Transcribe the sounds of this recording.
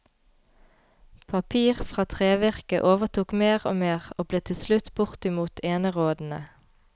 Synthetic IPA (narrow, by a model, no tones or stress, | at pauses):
pʰɑpʰiːʁfʁɑːt̪ʰʁeːʋæʁkə̰ʔoːʋət̪ʰuːkmeːʁoːmeːʁoːbleːt̪ʰɪslʉt̪bʊʁt̪ɪmuːt̪ʰeːnəʁoːd̪n̩ə